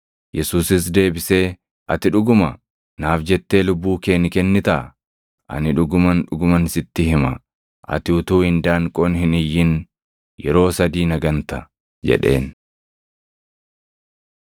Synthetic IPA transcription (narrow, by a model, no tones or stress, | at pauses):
jɛsuːsɪs̬d̪e̞ːbɪseː | ʔɐt̪ɪᶑʊɡʊmɐ | naːfd͡ʒɛt̪ːe̞ːlʊbːuːke̞ːnɪkɛnːɪt̪ɐʔɐ | ʔɐ̰nɪᶑʊɡʊmɐnᶑʊɡʊmɐnɪsɪt̪ːɪhɪmɐ | ʔɐ̰t̪ɪʊt̪uːhɪnd̪aːŋkʼoːnhɪnɪjːɪn | jɛɾo̞ːsɐd̪iːnɐɡɐnt̪ɐ | d͡ʒɛ̰ᶑe̞̰ːn